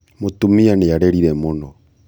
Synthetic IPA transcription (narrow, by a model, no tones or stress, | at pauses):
motomianejaɾɛɾiɾɛmɔnɔ